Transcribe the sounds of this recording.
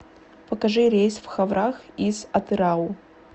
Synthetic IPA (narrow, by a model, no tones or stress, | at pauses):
pɐkɐʐɨɾʲejsfxavɾaxizɐt̪ɨɾau